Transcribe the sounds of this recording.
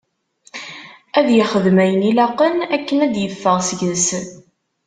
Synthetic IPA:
æðjɪχəðmæjənilɑqːənækːənæd̪jəfːəʁsəʝəs

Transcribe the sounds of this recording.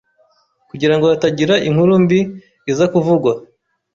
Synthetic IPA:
kuɟiɾaŋɡoataɟiɾaʔiŋ̥huɾumbiː | zakuvuɡwa

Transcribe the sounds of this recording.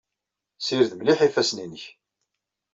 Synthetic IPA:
siɾðmliħifæsninəç

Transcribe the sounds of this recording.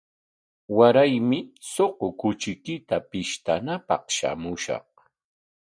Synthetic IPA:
waɾajmɪsoqʊkʊt͡ʃɪkɪt̪apɪʃt̪anapɑ̰χʃa̰mʊʃɑ̰χ

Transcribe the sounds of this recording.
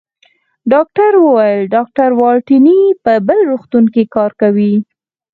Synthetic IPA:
ɖɑk̚ʈaɾwəwajəlɖɑk̚ʈaɾwɑlʈinipəbəlɾuxt̪unkikɑɾkawi

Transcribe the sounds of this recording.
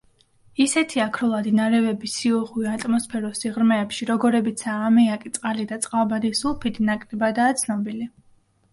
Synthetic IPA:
isɛt̪ʰiakʰɾɔlˠad̪inaɾɛvɛbisiɔʁwiat̪ʼmɔspʰɛɾɔsiʁɾmɛːpʃiɾɔɡɔɾɛbit̪sʰaːmɛakʼit̪sʼqʼalid̪at̪sʼqʼalˠbad̪isulˠpʰid̪ʰinakʼɾɛbad̪aːt̪sʰnɔbili

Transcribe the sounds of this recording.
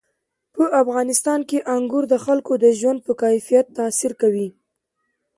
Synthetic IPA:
pəʔafɣɑnɪst̪ɑnkeʔaŋɡuɾd̪əxalkod̪əʒwand̪̚pəkajfijat̪ːasiɾkawi

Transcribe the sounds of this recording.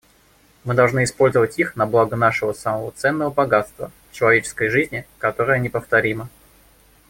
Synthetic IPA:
mɨd̪ɐlˠʐnɨɪspo̞lʲzəvətʲixnɐblˠaɡənaʂɨvəsaməvət̪sɛnːəvəbɐɡat̪st̪və̰ft͡ɕɪlˠɐvʲet͡ɕɪ̥skəjʐɨzʲnʲɪkɐt̪o̞ɾəjənʲɪpəft̪ɐɾʲimə

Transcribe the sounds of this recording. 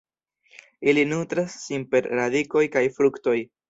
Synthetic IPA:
ilinutɾasːinpe̞ɾɾadiko̞jkajfɾukto̞j

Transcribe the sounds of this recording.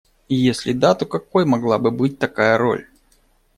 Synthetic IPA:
ijesʲlʲɪd̪at̪o̞kɐko̞jmɐɡlˠabɨbɨt̚ʲt̪ɐkajəɾo̞̰lʲ

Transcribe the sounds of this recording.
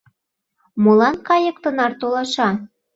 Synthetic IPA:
molɑnkɑjɤ̆k̚t̪ə̆nɑrt̪olɑʃɑ

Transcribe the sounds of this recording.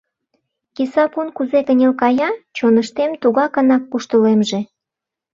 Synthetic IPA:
kisɑpunkuzekənʲelkɑjɑt͡ɕonəʃt̪emt̪uɣɑkənɑkːuʃt̪əlemʒe

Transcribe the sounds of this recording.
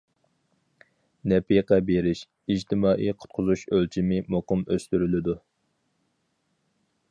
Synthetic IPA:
nɛpiqɛbeɾɪʃ | id͡ʒt̪ʰɪmɑːʔiqʰʊ̥t̪̚qʰʊzuʃølt͡ʃʰimɪmoqʊmøst̪yɾylɪd̪u

